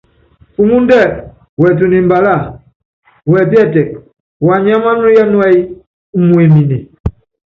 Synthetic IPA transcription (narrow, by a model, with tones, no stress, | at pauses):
fu˦ŋu˦ndɛ˦˨ | wɛ˨t̬u˨ni˨mba˨la˦˨ | wɛ˨p̬jɛ˦tɛ˨k | wa˨ɲa˦ma˦nu˦ja˦nwa˦i˦ | mwɛ˨mi˨ni˨